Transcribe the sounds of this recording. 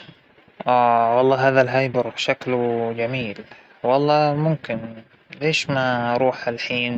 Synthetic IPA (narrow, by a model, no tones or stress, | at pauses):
ʔaːwɑlˤːɑːɦaːðalɦajbɑɾˤʃakld͡ʒamiːl | wɑlˤːɑːmʊmkɪn | leːʃmaɾˤuːħalħiːn